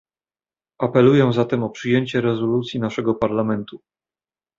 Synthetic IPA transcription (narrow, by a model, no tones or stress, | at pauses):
ʔapɛlujɛzat̪ɛmɔpʂɘjeɲt͡ɕɛɾɛzɔlut̪sʲjinaʂɛɡɔpaɾlamɛnt̪u